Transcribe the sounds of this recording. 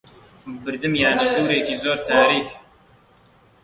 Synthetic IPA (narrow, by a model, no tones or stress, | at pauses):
bɨɾd̪ɨmjaːneʒuːɾeːkiːzoːɾt̪ʰaːɾiːk